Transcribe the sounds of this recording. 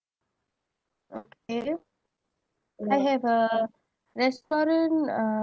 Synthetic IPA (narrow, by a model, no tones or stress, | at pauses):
okʰe | aɪɦɛvə | ɹɛstɔɾə̃n